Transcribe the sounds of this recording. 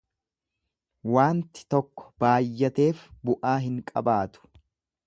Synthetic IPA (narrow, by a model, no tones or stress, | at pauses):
waːnt̪ɪ̥t̪ɔkːɔ̥b̥aːjːɐt̪e̞ːfbʊʔaːɦɪŋkʼɐ̰baːt̪ʊ̥